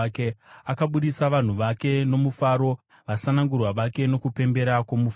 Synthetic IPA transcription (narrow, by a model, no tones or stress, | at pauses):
keakaɓuɗisaʋan̤uʋake̞no̞mufaɾo̞ | ʋasanaŋɡurwaʋake̞no̞kupe̞mbe̞ɾakwomuf